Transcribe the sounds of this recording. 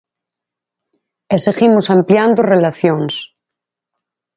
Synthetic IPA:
esiximosampljand̪orelaθjons

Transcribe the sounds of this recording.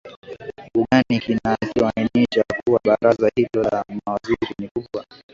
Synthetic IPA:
uɠanikinat͡ʃiwainiʃakuwaɓaɾazahilɔamawaziɾinikuɓwa

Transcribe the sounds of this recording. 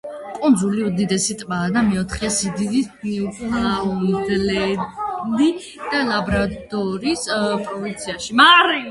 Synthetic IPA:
kʼund̪zuliud̪id̪ɛsit̪ʼbaːd̪amɛɔt̪ʰχiasid̪id̪isniukʼlaud̪lɛ | li | d̪̥alabɾad̪ɔɾispʼɾɔvint̪sʰiaʃimaɾi

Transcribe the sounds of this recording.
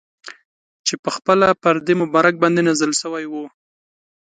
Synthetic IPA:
t͡ʃepəxpəlapəɾd̪emʊbɑɾak̚bɑnd̪enazəlʃəwajwu

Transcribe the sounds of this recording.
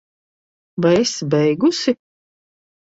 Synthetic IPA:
vajesbɛjɡusi

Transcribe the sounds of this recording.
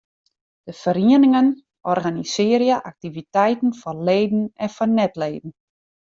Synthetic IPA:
d̥əfəɾiənɪŋən | ʔɔrɣanisɪəɾjaʔak̚tivitɛjtn̩fɔleːdn̩ɛnfɔnɛtleːdn̩

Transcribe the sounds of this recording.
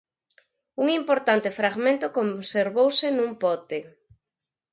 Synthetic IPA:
uŋimpoɾt̪ant̪efɾaɣmẽnt̪okomseɾβowsɪnũmpɔt̪e

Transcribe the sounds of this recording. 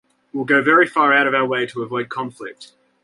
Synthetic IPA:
wilˠɡəʊvɛɹifɑːɹaʊɾʌvaʊə˞weɪɾəːvɔɪd̚kʰɑ̃ɱflɪk̚t

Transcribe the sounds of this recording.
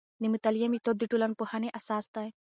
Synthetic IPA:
nimut̪ɐljɐmit̪od̪iʈulɐnpuhaːneʔɐsaːst̪aj

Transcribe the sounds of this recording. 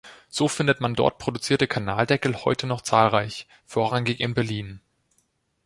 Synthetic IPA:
z̥oːfɪndətmandɔ̰ɐt̚pʁ̥odut͡siːɐtəkʰanaːldɛkl̩hɔ̰ʏtʰənɔχt͡saːlʁaɪç | foːɐʁaŋɪçɪnbɛɐliːn

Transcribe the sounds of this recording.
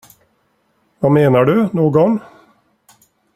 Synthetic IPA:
vameːnaɖɵnoːɡɔn

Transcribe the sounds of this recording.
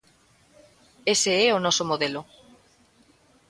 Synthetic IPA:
eseɛonɔsomoðelo

